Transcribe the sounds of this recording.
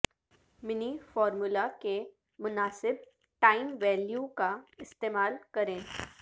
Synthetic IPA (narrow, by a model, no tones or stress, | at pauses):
mɪnifɔːɾmʊlake | mʊnaːsɪb̚ | ʈaːɪmʋɛːljukaɪst̪eːmaːlkɐɾẽː